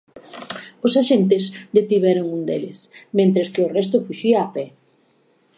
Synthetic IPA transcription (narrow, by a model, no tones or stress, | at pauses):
ʊsaʃent̪ɪzd̪et̪iβɛɾʊŋund̪elɪ̰smẽnt̪ɾɪskɪʊrɛst̪ʊfuʃiaːpɛ